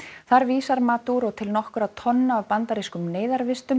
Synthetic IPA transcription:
θaɾviːsaɾmaːt̪uɾɔɣt̪ʰɪlnɔhkʏɾat̪ʰɔnːaːðpant̪aɾiskʏmneːjðaɾvɪst̪ʏm

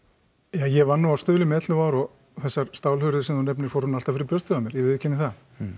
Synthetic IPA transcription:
jaːjɛvanːuast̪ʏːðlʏmɛɛt̪lʏvaɾɔ | θɛsːaɾst̪aːwlhʏɾðʏ̥sɛmθunɛpnɪɾ̥fowɾ̥hunalt̪avfɪɾɪpœst̪ʏɣamjɛɾjɛvɪðcʰːɛnːɪθa

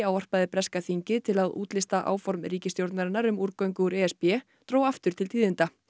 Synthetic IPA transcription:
aːwɔr̥paðɪpɾɛskaθiɲcɪt̪ʰɪlaðṵːt̪lɪst̪aʔa̰ːwfɔɾmɾiːcɪst̪jowɾt̪naɾɪnːaɾʏmuːɾkœɥŋkʏuɾɛɛspjɛː | t̪ɾoːwaft̪ʏɾ̥t̪ʰɪlt̪ʰiːðɪnt̪a

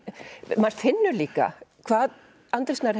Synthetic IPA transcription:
mast̪fɪnːʏliːka̰kʰvaːð | ant̪ɾɪsnaɾ̥

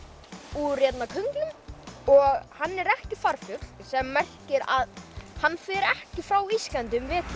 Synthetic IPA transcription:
urjɛt̪nakʰœŋklʏmɔɣhanːɛɾɛhcɪfaɾfjʏt̪l̥sɛmːɛr̥cɪɾa̰ðhanːfɪɾɛhcɪfɾawisklant̪ʏmvɪːt̪

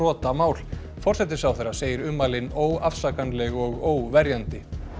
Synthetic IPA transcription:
ɔːt̪amaːwl̥ | fɔr̥sɛt̪̬ɪsawθerːḁseːjɪɾʏmːalɪnoːwafsakanlɛɣɔɣoːwvɛɾjant̪ɪ

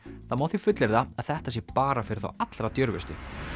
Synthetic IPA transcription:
θaðmawt̪θifʏt̪lɛɾðaaðθɛht̪as̬jɛpaːɾafɪɾɪ̥θa̰wat̪lɾat̪jœɾvɪst̪ɪ

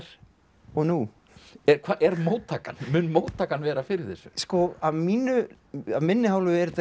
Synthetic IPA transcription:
ɾ̥ | ɔɣnu | ɛɾkʰvaʔɛɾmoːwt̪ʰːaːkanmʏnmoːwt̪ʰːaːkanvɛːɾafɪɾɪɾ̥θɛsːʏskɔavmiːnʏ | avmɪnːɪɦaːwlʏɛɾt̪

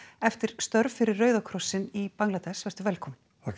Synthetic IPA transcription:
ɛft̪ɪɾ̥st̪œɾvfɪɾɪrːœːɥðakʰɾɔsːɪnipaŋklat̪ɛsvɛst̪ʏvɛlkʰɔm

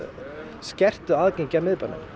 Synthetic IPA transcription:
scɛr̥t̪ʏaːðceɲcamɪðpanːɪ̰m

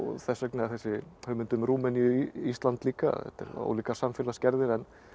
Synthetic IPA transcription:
θɛsːœknɪaθɛsːɪhœːmʏnt̪ʏmɾuːmɛnjʏist̪lant̪liːka̰ɛ̰t̪ɛ̰ɾo̰ːwliːkasamfɪlascɛɾðɪɾɛn

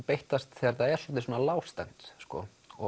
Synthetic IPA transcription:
pejht̪ast̪θɛːaɾθaɛɾslɔːt̪̬ɪsuɔːnalaːwst̪ant̪skɔ̰ | ɔ

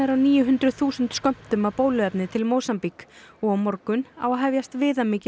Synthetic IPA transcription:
ɛɾawniːjʏɦʏnt̪ɾʏðθuːsʏnt̪skœm̥t̪ʏmawpoːwlʏɛpnɪt̪ʰɪlmoːwsampikɔɣawmɔɾkʏna̰waðɦɛvjast̪vɪːðamɪːcɪ

